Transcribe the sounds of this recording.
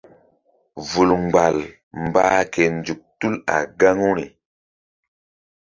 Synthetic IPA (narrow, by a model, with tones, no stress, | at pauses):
vu˨lŋ͡mɡ͡ba˨l | m˨baː˦ke˨nd͡ʒu˨k̚tu˦la̰˨ɡa˦ŋu˦ɾi˨